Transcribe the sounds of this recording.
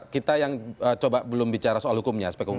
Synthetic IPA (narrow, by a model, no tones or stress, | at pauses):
kit̪ajaŋət͡ʃobabəlʊmbit͡ʃaɾasoalhukʊmɲaspɛkuŋ